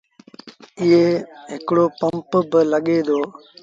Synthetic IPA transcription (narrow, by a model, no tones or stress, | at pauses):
ɪeːɦɪkɽoːpəmpbələɠeːd̪oː